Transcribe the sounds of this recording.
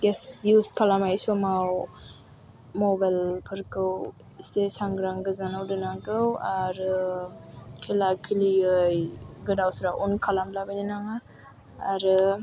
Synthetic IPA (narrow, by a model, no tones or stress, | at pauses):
ɡesdjuskʰalamajsumaw | mobajlpʰɯɾkɯw | stesaŋɡɾaŋɡɯzanawdɯnaŋkɯwaɾɯ | kʰelakʰiliɯjɡɯdawsɾaʔunkʰalamlabajninaŋa | aɾɯ